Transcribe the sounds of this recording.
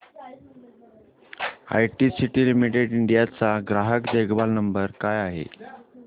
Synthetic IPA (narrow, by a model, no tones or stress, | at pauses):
a̰jʈisiʈiːlimiʈeɽiɳɖijat͡saɡɾaɦəkd̪eɡbalnəmbəɾkajaɦḛ